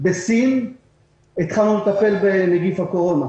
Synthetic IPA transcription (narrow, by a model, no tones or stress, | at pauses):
besin | it̪χalnulet̪ape̞lbeneɡifhako̞ʁo̞na